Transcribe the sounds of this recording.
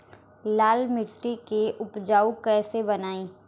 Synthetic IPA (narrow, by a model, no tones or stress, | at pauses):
laːlmɪʈːikeʔʊpd͡ʒaːukɛːsebɐnaːiː